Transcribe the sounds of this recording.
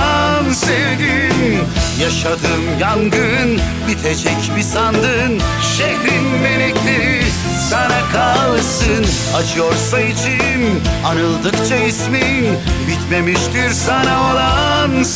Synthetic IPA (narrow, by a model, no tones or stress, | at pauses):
nsɛvɡinjaʃad̪ɯmjaŋɡɯn | bit̪ʰed͡ʒɛcbisand̪ɯn | ʃeɦɾinme̞lɛclʲeɾi | sanakʰalˠsɯn | at͡ʃʰɯjoɾsait͡ʃʰinanɯlˠd̪ɯkt͡ʃʰaisminbit̪me̞miʃt̪iɾsanao̞lˠan